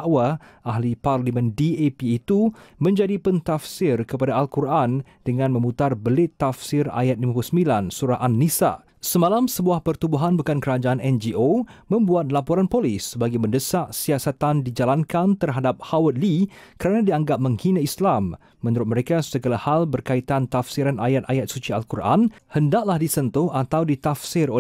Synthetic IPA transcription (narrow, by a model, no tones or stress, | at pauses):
ʔwaʔaɦliparlimə̃ndiepiːt̪umə̃ɲd͡ʒadipənt̪afsɪrkəpadaːlkurʔan | dəŋãnmə̃mut̪arbəlɪt̪ːafsɪra̰jat̪̚limapulusəmbilansuɾaʔanːisa̰ | səmãlamsəbuahpərt̪ubuɦanbəkankəɾad͡ʒaanɛnd͡ʒiʔomə̃mbuat̪̚lapoɾanpolisbaɡajməndəsaʔsiasat̪andid͡ʒalankant̪ərɦadap̚hawət̪̚likəɾanãdiaŋɡap̚mə̃ŋhinaislamː | ə̃nuɾʊt̪̚məɾekasəɡalahalbərkait̪ant̪afsiɾanajat̪̚ajat̪̚sut͡ʃia̰lkurʔa̰nhəndaʔlahdisənt̪ʊhat̪awdit̪afsɪro